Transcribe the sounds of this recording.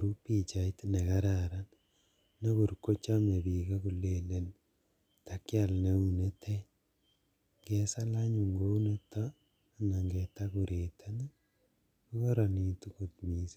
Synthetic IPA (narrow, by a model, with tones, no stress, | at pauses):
koɾu˦pi˨t͡ʃa˨i˦tne˨ka˦ɾaɾa˦n | nɔ˦ku˨ɾko˦t͡ʃa˦me˨bi˨ka˦ku˨le˨le˨n | ta˦kja˨lne˨une˦tʰe˦ | ŋɡɛ˨sa˦la˦ɲu˨ŋɡo˦u˦ne˦tːa˦˨ | na˨ŋɡɛ˨ta˦kuɾʔe˨tʰa˦na˦ | ku˦kɔ˦ɾa˨ni˨tu˦ku˨t̪mi˨si˦